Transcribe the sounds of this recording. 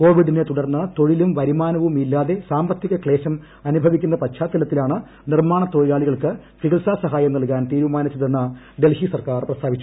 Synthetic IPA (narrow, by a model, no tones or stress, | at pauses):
ko̞ːʋiɖinet̪uɽɐrnːɐt̪o̞ɻilumʋɐɾimaːnɐʋumilːaːðe̞saːmbɐt̪jiɣɐkɭe̞ːɕɐm | ɐnubʱɐʋikʲːunːɐpɐɕʰaːt̪ːɐlɐt̪ːilaːɳɨ | nirmaːɳɐt̪o̞ːɻjaːɭiɣɐɭkɨ | fiɡɐɭsaːsɐɦaːjɐmnɐɭk̬aːnt̪iːɾumaːnit͡ɕːɐðenːɐ | ɖe̞lhisɐrkaːrprɐst̪ʰaːʋit͡ɕːu